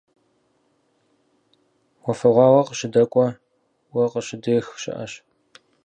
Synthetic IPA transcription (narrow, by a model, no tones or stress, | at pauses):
wɔfɐʁʷɑːwɐqəɕɪdɐkʷʼɔ | wɐqəɕɪdeːxʃɪ̰ʔɐ̰ɕ